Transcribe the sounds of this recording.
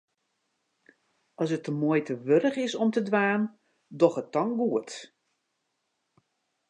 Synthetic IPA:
ʔɔs̬ətːəmoəjtʰəʋøɾəχɪsɔmtədʋaːn | dɔχət̚ːɔŋɡuət

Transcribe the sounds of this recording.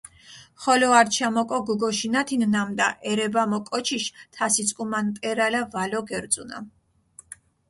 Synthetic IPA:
χɔlɔaɾt͡ʃʰamɔkʼɔɡuɡɔʃinat̪ʰinnamd̪a̰ʔɛɾɛbamɔkʼɔt͡ʃʰiʃt̪ʰasit̪sʼkʼumant̪ʼɛɾalavalɔɡɛɾd̪sʼuna̰m

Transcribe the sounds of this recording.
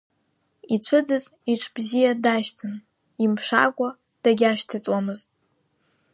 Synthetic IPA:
it͡ɕʷʰɨd͡zɨziʈ͡ʂʰbzijadaʃtʰɨn | imʂa̰kʷʼa | d̥aɡʲaʃtʰɨt͡sʼwamɨztʼ

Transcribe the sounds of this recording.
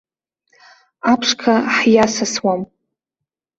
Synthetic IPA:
apʰʂkʰaħjasaswam

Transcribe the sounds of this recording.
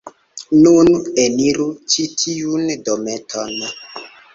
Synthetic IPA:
nuneniɾut͡ʃitʰiundometʰon

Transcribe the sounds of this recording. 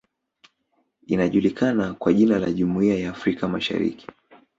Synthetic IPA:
inaʄulikanakwaʄinalaʄumuiajaːfɾikamaʃa̰ɾḭki̥

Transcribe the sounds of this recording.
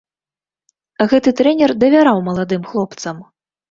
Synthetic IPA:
ɣɛt̪ɨt̪ɾɛnʲɛrd̪ɐvʲaɾawmɐlˠad̪ɨmxlˠɔpt̪sɐm

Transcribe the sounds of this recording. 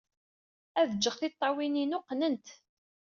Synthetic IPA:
æðəd͡ʒːəʁθɪt̪ˤːɑwininʊqːnənt̪

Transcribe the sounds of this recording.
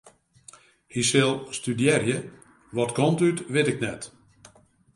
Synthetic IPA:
hisɪlˠstydjɛrjə | ʋɔtkomtytʋɪtɪknɛt

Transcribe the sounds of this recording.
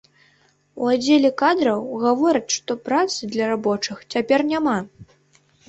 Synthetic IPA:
uad͡zʲelʲɛkad̪ɾɐwɣavɔɾʲɐt͡sʲʂt̪ɔpɾat̪sɨd̪lʲɐɾabɔt͡ʂɨxt͡sʲapʲɛrnʲama

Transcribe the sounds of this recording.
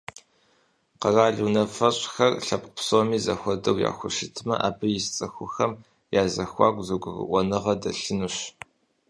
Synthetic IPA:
qɐraːɮuːnɐfɐɕʼxɐrɬɐpʼqpsoːmiːzɐxʷɔdɐwja̰ːxʷʊʃɪtʰmɐ̰ʔaːbʰɨjɪst͡sʼɐxʷʊxɐm | jaːzɐxʷɑ̰ːɡʷʼzuɡʷʊrɨ̰ʔʷɔnɨʁɐdɐɬɨnuɕ

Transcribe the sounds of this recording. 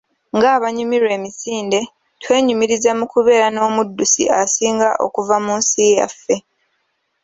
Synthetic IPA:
ŋɡaːβaɲumiɾwe̞ːmisiːnde̞ | twe̞ːɲumiɾizamukuβe̞ːɾano̞ːmudːusḭʔasiːŋɡaʔo̞̰kuvamuːnsija̰fːe̞

